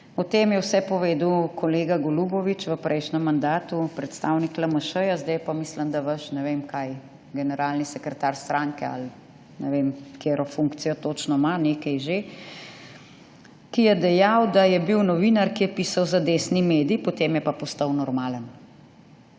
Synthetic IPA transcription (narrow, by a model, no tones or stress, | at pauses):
ɔt̪emjɛwsɛpɔʋeːd̪wkʰɔleːɡaɡɔlubɔʋit͡ʃʋəpɾʔɛjʃnɛmːand̪aːt̪upɾɛt̪st̪awniklaməʃəjazd̪ajpamisləmd̪aʋəʃnɛʋemkaj | ɡɛnɛɾaːlnisɛkɾɛt̪aɾst̪ɾaŋkɛa̰l | nɛʋemkeɾɔfuŋkt̪sijɔt̪ot͡ʃnɔmaneːkɛjʒe | kijɛd̪ɛjawd̪ajɛbiwnɔʋinaɾkijɛpiːsawzad̪eːsnimeːd̪ipot̪emjɛpapɔst̪awnɔɾmaːlən